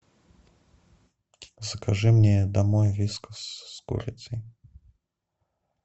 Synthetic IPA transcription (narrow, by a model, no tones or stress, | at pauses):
zɐkaʐɨmnʲɛd̪amɔjvʲiskɐsːkṵɾʲɪ̰t͡s̪ʲi